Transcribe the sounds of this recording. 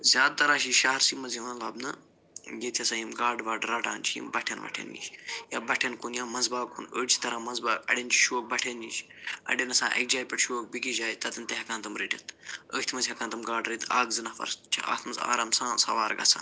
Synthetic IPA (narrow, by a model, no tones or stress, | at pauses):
zʲaːd̪̚t̪ɐɾaːʃiːʃaːɐɾsimɐziʋɐnlɐbnɐ | jet̪ʰʲjɐsajimɡaːɖʋaːɖɾɐʈaːnt͡ʃʰijḭmbɐʈʰɐnʋɐ̰ʈʰḛnːḭːʃjaːbɐʈʰenkunjaːmɐzbaːkunəːɖt͡ʃʰi̥t̪ɐɾãːmɐnzbaːkɐ̰ɽʲent͡ʃʰi̥ʃoːk̚bɐʈʰenːiːʃ | ɐ̰ɖʲenɐsãːʔɐ̰k̚d͡ʒaːjpʲɐʈʃoːk̚bikid͡ʒaːjt̪ɐt̪ɐnt̪eɦɐkãnt̪ɐmɾiʈʲɐt̪ə̰ːkt̪ʰmɐzʲɦɐkãnt̪ɐmɡaːɖɾit̪aːɡzɨnɐfɐ̰ɾst͡ʃʰɐ̰ʔa̰ːt̪ʰmɐza̰ːɾɐmsãːsɐ̰ʋaːɾɡɐ̰t͡sʰa̰n